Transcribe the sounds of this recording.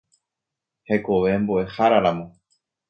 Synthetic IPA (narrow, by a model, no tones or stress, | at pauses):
he̞koʋe̞mboʔe̞haɾaɾamõ̞